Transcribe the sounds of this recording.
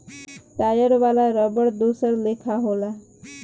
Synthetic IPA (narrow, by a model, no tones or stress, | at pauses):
ʈajəɾʋalaɾəbəɽd̪osəɾlekʰaɦola